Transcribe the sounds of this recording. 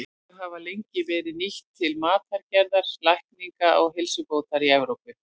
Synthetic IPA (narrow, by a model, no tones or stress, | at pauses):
ɦavalejɲcɪvɛːɾɪðniht̪ʰːɪlmaːt̪aɾ̥caɾðaɾ̥lahkniŋkaʔɔɣɦɪlsʏpoːwt̪aɾiɛvɾowpʏ